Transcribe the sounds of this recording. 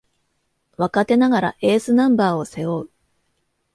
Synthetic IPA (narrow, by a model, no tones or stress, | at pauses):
βakat̪e̞naɡaɾa̰ʔe̞ːsɨnãmbaːo̞se̞joɯ